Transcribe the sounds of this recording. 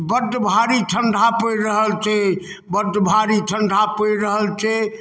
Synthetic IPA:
bəd̪bʱaɾiʈʰəɳɖʱapəjɾəɦəlt͡ʃʰɛ | bəɾd̪bʱaɾiʈʰəɳɖʱapəiɾəɦəlt͡ʃʰɛ

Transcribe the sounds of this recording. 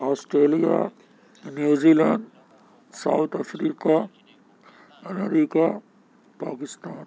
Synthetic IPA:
aːsʈɾeːlija̰ | njuːziːlə̃ɳɖ | sa̰ʊt̪ʰɐfɾiːka | ɐmeɾiːka | paːkɪst̪aːn

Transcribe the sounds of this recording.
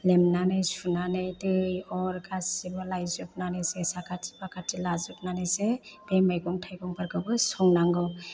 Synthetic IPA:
lemnanɯjsunanɯjtɯjɔɾkʰasibɔlajzup̚nanɯsesakatʰi̥bakatʰilazup̚nanɯjsebemajɡɔŋtʰajɡɔŋpaɾɡɯbɯsɔŋnaŋɡɔ

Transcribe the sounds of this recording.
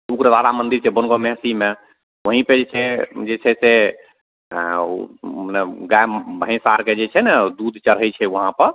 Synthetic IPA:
ukɾəd̪alamənd̪iɾsebənɡomeɦsime | wəɦĩped͡ʒet͡ʃʰɛd͡ʒet͡ʃʰɛse | nɛɡaebʱə̃ɪ̃saɾked͡ʒet͡ʃʰɛnɛd̪ud̪ʱt͡ʃəɾɦəjt͡ʃʰɛwəɦãpəɾ

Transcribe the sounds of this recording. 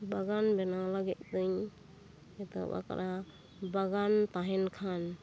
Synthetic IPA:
baɡanbɛnalaɡɛt̪̚d̪ɯɲ | ɛt̪ɔ̰ba̰ka̰ɾʔa | baɡant̪aɦɛnkʰan

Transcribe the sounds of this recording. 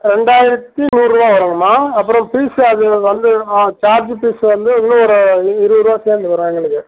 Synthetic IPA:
ɾɛɳɖaːjɪɾɐt̪ːinuːnɾɯbaːpɐɾɯŋɡɐmːaːɐpːɯɾɔ̃piːsɐðɯʋɐnd̪ɯt͡ʃaːɾd͡ʒpiːsʋɐnd̪ɯɐnɯɔɾɯɪɾɯɾɯʋaːseːɾnd̪ɯpɐɾɯ̃eːŋɡɐɭɯkːɯ

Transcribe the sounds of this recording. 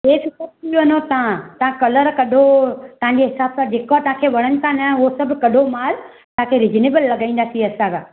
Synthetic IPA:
ɦeːkɪkotʰiʋɐnot̪ɐãt̪ɐãkɐləɾkɐɗʱot̪ɐɦãɲd͡ʑeɦɪsaːbsãd͡ʑeːkot̪ɐɦãkʰeʋɐɽ̃ənɪ̆t̪ʰãnɐʊɦosɐbʱʊkɐɗʱomaːɾ | t̪ɐ̃ɦãkʰeɾid͡ʒneːbəlːɐɡaːĩːn̆d̪aːsiɐsãkʰaː

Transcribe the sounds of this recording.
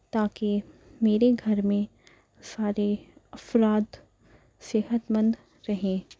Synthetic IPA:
t̪aːkimeːɾeɡʱɐɾmẽ | saːɾeɐfɾaːd̪ | seːɦət̪mə̃nd̪ | ɾɐɦẽː

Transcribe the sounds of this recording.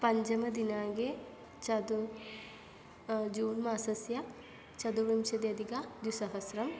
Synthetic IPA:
pɐɲd͡ʒɐmɐd̪inaːɡe | t͡ʃɐd̪u | d͡ʒuːnmaːsɐsjɐ | t͡ʃɐd̪uɾimʃɐd̪jɐd̪ikad̪jusɐɦɐsɾɐm

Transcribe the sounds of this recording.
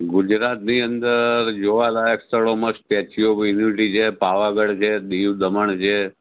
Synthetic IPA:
ɡʊd͡ʒɾat̪niənd̪əɾd͡ʒoʋalajəkst̪əɭoməspɛt͡ʃʰiobuniʋiʈit͡ʃʰepaʋaɡəɭt͡ʃʰed̪iʋd̪əməɳt͡ʃʰe

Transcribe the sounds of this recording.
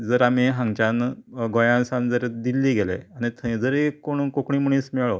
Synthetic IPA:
d͡zəɾam̤iɦãŋɡt͡ɕanɡʱõjãnsand͡zəɾd̪ilːiːɡelḛaɽ̃it̪ʰəĩd͡zəɾkːoɳ̃ukokɳiːmuɳ̃iːsmɛɭo

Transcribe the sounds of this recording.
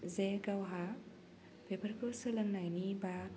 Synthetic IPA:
zeɡawɦa | pʰebəɾkʰosɯlɯŋnajniba

